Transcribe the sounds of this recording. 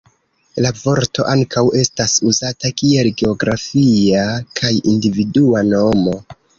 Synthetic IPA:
lavo̞ɾto̞ʔaŋkʰawe̞stasuzatakie̞lɡeo̞ɡɾafiakʰajindividuano̞mo̞

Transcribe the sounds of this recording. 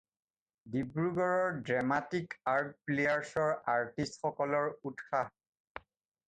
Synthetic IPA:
dibɹuɡɔɹɔɹdɹamatikaɹt̚plejaɹsɔɹaɹtistxɔkɔlɔɹutxa

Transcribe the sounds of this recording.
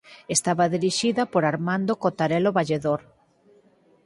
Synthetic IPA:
est̪aβaðiɾiʃiðɐpoɾaɾmãnd̪okot̪aɾɛloβaʎeðoɾ

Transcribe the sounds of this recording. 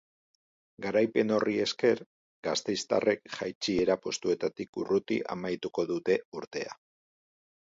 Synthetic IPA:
ɡaɾajpe̞no̞rie̞ske̞ɾ | ɡast̪e̞jst̪a̰rʔe̞kʝajt͡ʃie̞ɾapo̞st̪ue̞t̪at̪ikṵrut̪ḭʔa̰majt̪uko̞ðut̪e̞uɾt̪e̞a

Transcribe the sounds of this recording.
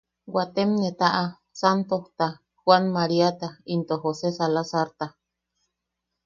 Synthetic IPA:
wat̪emnet̪aʔa | sant̪oht̪a | hwanmaɾiat̪aint̪oɦosesalasaɾt̪a

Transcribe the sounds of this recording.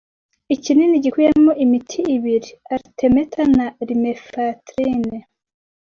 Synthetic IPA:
icininiɟikwujemoʔimitʰiːβiɾiaɾitʰe̞metʰanaɾimefatɾine

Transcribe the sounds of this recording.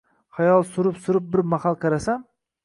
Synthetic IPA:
χajɒlˠsʊɾɪpsʊɾɪp̚bɪɾmahalˠkʰaɾasam

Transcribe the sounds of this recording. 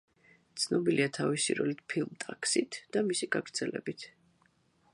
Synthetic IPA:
t̪sʰnɔbiliat̪ʰavisḭɾɔlit̪pʰilˠmt̪ʼakʰsit̪ʰd̪̥amisiɡaɡɾd̪z̥ɛlɛbit̪ʰ

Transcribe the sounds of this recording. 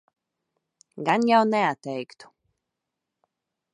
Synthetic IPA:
ɡanjawnɛat̪ːɛjkt̪u̥

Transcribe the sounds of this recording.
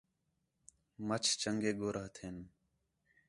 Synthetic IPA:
mət͡ʃʰt͡ʃəŋɡeːɡoːɾʔəɦt̪ʰeːn

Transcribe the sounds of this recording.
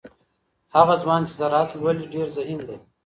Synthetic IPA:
haɣazwɑːnt͡ʃezaɾɑːt̪lwaliɖeɾzaind̪e

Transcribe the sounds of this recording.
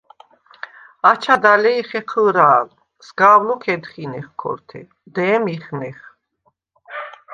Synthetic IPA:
at͡ʃʰad̪alɛiχɛqʰəlɾaːl | sɡaːwlɔkʰɛd̪χinɛχkʰɔ̰ɾt̪ʰɛ̰ | d̪ɛːmiχmɛχ

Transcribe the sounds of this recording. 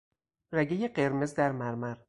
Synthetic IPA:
ræɟejeɢeɾmezd̪æɾmæɾmæɾ

